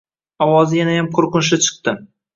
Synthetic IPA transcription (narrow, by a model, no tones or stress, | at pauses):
ɒwɒzɪjanajamqʰoɾqʊnʃɪt͡ʃʰɨ̥qt̪ɪ